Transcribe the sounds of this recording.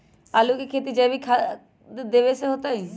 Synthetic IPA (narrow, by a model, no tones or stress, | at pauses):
aːlukekʰeːt̪id͡ʒɐ̃ːbʱikʰa | d̪eʋeseɦot̪aĩ